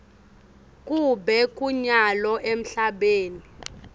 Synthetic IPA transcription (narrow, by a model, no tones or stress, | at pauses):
kʼubɛkʼuɲalɔʔem̩ɬaɓeːnii